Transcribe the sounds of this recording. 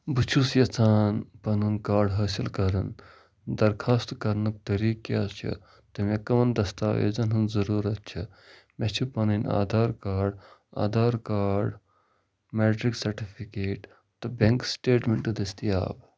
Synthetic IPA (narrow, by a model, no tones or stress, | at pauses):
but͡ʃʰusjɐt͡sʰaːnpɐnɨnkaːɾɖɦɐːsilkɐɾɐn | d̪ɐɾkʰaːst̪kɐɾnɨk̚t̪ɐɾiːket͡ʃʰɐ̰ | t̪ɐmekɐʋɐnd̪ɐst̪a̰ːʋḛːzɐnɦɐnzɐɾuːɾɐt̪t͡ʃʰɐ | mɐt͡ʃʰipɐnɨna̰ːd̪aːɾkaːɖa̰ːd̪aːɾkaːɖ | meːʈɾiksɐɾʈipʰikeːʈ | t̪ɐbʲɐŋksʈeːʈmeɳʈɨd̪ɐst̪ia̰ːb